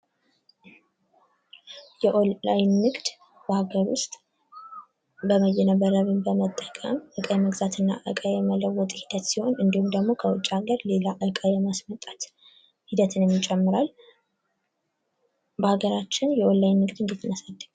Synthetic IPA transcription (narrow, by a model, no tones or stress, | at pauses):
jɛʔoajnːɨɡd̪ | b̥əhaɡəɾwʊ̰st̪ʼ | bəməjɛnəβəɾəβɨmbəmət̪ʼːəkʼə̰mʔɨkʼəjɛməɡzat̪ʰɨnːa̰ʔɨ̰kʼəjɛmələwːɔt̪ʼhid̪ət̪siho̞nɨnd̪ihumd̪əɡmo̞kʰəwʊt͡ʃʼːaɡəɾle̞laʔɨkʼəjɛmasmət̪ʼːat̪ | hid̪ət̪ʰɨnjɛmːit͡ʃʼɛmːɨɾal | bəhaɡəɾat͡ʃːɪnjɛʔolːajnːɨɡd̪ɨnd̪ɨt̪ʰːɨnəsad̪ːəɡ